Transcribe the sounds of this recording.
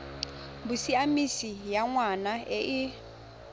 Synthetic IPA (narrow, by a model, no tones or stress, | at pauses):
busiamisijaŋwanaɛʔi